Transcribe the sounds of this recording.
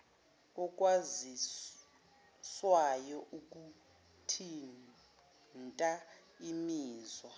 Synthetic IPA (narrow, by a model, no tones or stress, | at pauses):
ɔk̬ʼwazi | swajɔʔuk̬ʼu | tʰin | ntʼa | imiːzwa